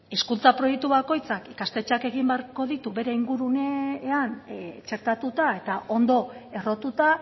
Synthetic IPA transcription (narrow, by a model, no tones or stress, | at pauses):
eskult͡sapɾo̞jek̚t̪uβako̞jt͡sakikast̪e̞t͡ʃake̞ɣimbeaɾko̞ðit̪uβe̞ɾe̞iŋɡuɾuneant͡ʃe̞ɾt̪at̪ut̪ae̞t̪aʔo̞nd̪o̞e̞ro̞t̪ut̪a